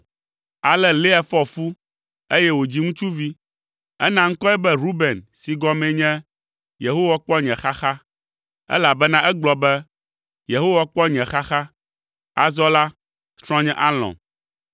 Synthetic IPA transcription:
a˨lɛ˦le˦ɛ˨fɔ˦fu˦ | e˦jɛ˦wo˨d͡ʑi˦ŋũ˦t͡ʃu˦vi˦ | ɛ˦nã˦ŋ̩˦kɔ˦ɛ˦bɛ˦ɾu˦be˨nsi˨ɡɔ˦mɛ̃˨ɲɛ̃˦ | je˨ɦo˦wa˦k͡pɔ˦ɲɛ̃˨xa˦xa˦ | ɛ̰˦la˨bɛ˦nã˦ʔɛ˦ɡ͡blɔ˨bɛ˦ | je˨ɦo˦wa˦k͡pɔ˦ɲɛ̃˨xa˦xa˦ | a̰˨zɔ˦la˦ | st̪ɾ̃ɔ̃˦ɲɛ̃˦ʔa˦l̃ɔ̰̃˨

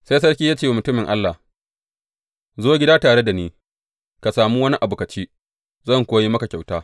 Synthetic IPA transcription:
sa˦js̬ɐ˦rkʲiː˦jaː˦t͡ʃeː˦˨mʊ˨tʊ˦mɪ˨ŋʔa̰˦lːa˨ | zoː˦ɡʲɪ˦daː˦taː˨ɽe˦da˨niː˦ | ka˨saː˨muː˦wɐ˦ni˦ʔa˨bʊː˨kɐ˨t͡ʃiː˦ | zɐ˦˨ŋkʷoː˦ji˦mɐ˦ka˨kʲa˨wtaː˦

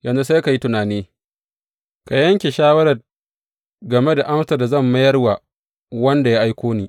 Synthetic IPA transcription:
jɐ˨nzu˦sa˦jka˨ji˦tʊ˨naː˨niː˦ | ka˨jɐ˦ŋkʲe˨ʃaː˦wɐ˦ɾɐ˨r | ɡɐ˨me˦da˨ʔa˦msa˨da˨zɐ˦˨mːɐ˦jɐ˦rwa˨ | wɐ˦nda˨ja˦ʔa˦jkʷoː˦niː˦˨

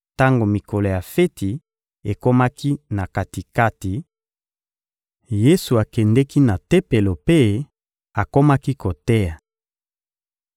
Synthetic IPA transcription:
ta˦ŋɡo˨mi˨ko˨lo˨ja˨fe˦ti˨ | e˨ko˦ma˦ki˦na˨ka˨ti˨ka˦ti˨ | je˦su˨a˨kɛ˨ndɛ˦ki˦na˨tɛ˦pe˨lo˨pe˦ | a˨ko˦ma˦ki˦ko˨tɛ˦ja˨

